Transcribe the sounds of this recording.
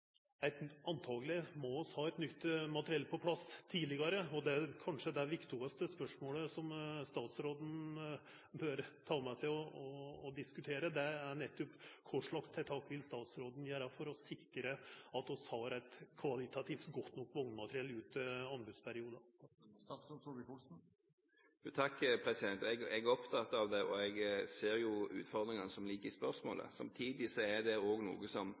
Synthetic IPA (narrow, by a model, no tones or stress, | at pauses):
æɪt̪ɑnt̪ʰɑːɡlɪmɔɔshɑːæɪt̪nʏt̪ːmɑt̪əɾɪɛlpʰɔpʰlɑst̪ʰiːd̪lɪɡɑɾəɔd̪ɛkʰɑnʂəd̪ɛʋɪkt̪ɪɡəst̪əspœʂmoːləsɔmst̪ɑːt̪sɾoːd̪n̩ | bøɾt̪ʰɑːmɛsæɪɔɔːd̪ɪskʉt̪ʰeːɾəd̪ɛæɳɛt̪ːɔpkʰʊʂɭɑkst̪ʰɛt̪ʰɑːkːʋɪlst̪ɑːt̪sɾoːd̪n̩jæːɾɑfɔɾɔsɪkːɾəɑt̪ɔshɑɾæɪt̪kʰʋɑlɪt̪ɑt̪ʰiːft̪ɡɔt̪ːnɔkːʋɔŋnmɑt̪ɾɪɛlːʉːt̪ɑnbʉd̪spʰæɾɪuːd̪ə | ut̪ʰɑkːpʰɾɛsɪd̪ɛnt̪ɛɡɛɡæɾɔpt̪ʰɑt̪ːɑʋd̪ɛʔɔɛɡseːɾjʊʉ̰ːt̪fɔʁd̪ɾɪŋɑnəsɔmliːkəɾɪspœɾsmo̰ːlə̰sɑ̰mt̪ʰiːd̪ɪsɔɛɾd̪ɛoːɡnṵːɡəsɔm